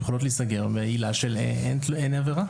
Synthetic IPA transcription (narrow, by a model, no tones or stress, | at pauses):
exolotlisaɡeʁmeailaʃeleeneneveʁa